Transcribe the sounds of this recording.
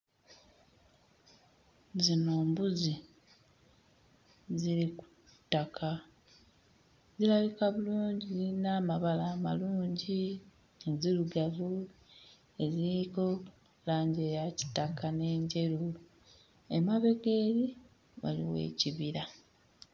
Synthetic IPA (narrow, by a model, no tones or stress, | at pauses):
zino̞ːmbuzi | ziɾiku̥tːakʰa | zilaβikaβuluːɲɟiinaːmaβalaːma̰luːɲɟi | ziluɡavu | e̞ziiko̞ | laːɲɟe̞ːjaci̥tːakane̞ːɲɟe̞ɾu | emaβe̞ɡe̞ɾi | βa̰lḭwe̞̰ːciβiɾa